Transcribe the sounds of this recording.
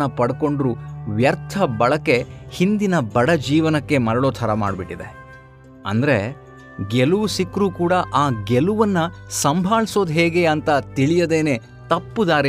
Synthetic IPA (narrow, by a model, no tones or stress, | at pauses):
ɐpɐɽko̞ɳɖɾuʋjɐɾt̪ʰɐbɐɭɐkːe̞hind̪inɐbɐɽɐd͡ʒiːʋɐnɐkːe̞mɐɾɐɭoːt̪ʰɐɾɐma̰ːɖbiʈːid̪ḛ | ɐ̰nd̪ɐɾe | ɡeluʋusikːɾuːkuːɽɐʔaːɡeluʋɐnːɐsɐmbʱaːɭso̞ːd̪ɦeːɡe̞ɐnt̪ɐt̪iɭijɐd̪e̞ːne̞ː | t̪ɐpːud̪aːɾ